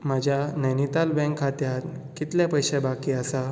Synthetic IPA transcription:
mad͡ʑʱjanəjnit̪albɛ̃ŋkʰat̪jat̪ | kit̪lapəjɕẽbakiːasa

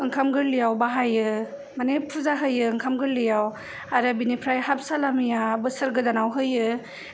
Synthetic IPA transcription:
ɯŋkʰamɡɯɾlijawbaɦajɯ | manepʰuzaɦɯjɯɯŋkʰamɡɯɾlijaw | aɾɯbinipʰɾajhap̚salamijabɯsɯɾɡɯdanawɦɯjɯ

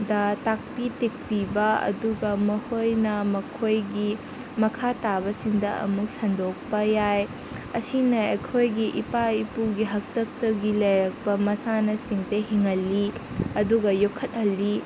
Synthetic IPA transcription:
dɐtak̚pitik̚pibɐɐ̰duɡɐmɐhojnɐmɐkʰojɡi | mɐkʰatabɐsiŋdɐɐ̰muk̚sɐndok̚pɐjaj | ɐsinɐekʰojɡiʔipaipuɡiɦɐk̚tɐk̚tɐɡilɐjɾɐk̚pɐmɐsanɐsiŋsehiŋɦɐlːiɐduɡɐjokʰːɐt̚hɐlːi

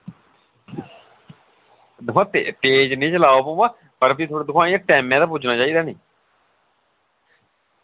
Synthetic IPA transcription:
d̪əmãːt̪ḛt̪eːd͡ʒnĩːt͡ʃəlaːoːpomãː | pəɾpiːt̪ʰoːɽeːd̪ʊkʰaːĩãːʈɛːmɛ̃ːd̪aːp̬ʊd͡ʒnaːt͡ʃaːiːd̪aːnĩː

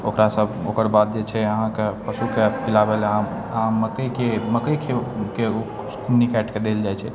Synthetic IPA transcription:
okɾasəbokəɾbad̪̚d͡ʒet͡ʃʰɛəɦãkepəsukepʰilabela | məkəjkeməkəkʰekeo | skunikɛʈked̪eld͡ʒajt͡ʃʰɛ

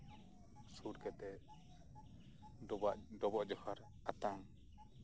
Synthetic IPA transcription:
suɾkɛt̪ɛ | aʔɖɔbɔʔd͡ʒɔhaɾ | at̪aŋ

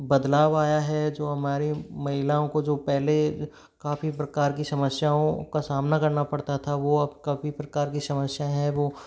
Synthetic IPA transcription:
bɐd̪laːʋaːjaɦɛd͡ʒoːɦɐmaːɾemɐɦɪlaːõkod͡ʒoːpɛɦle | kaːfipɾɐkaːɾkisɐməsjaõkasaːmnakɐɾnapɐɽt̪at̪ʰaʋoɐbkɐfipɾɐkaːɾkisɐməsjaɦɛ̃ʋoː

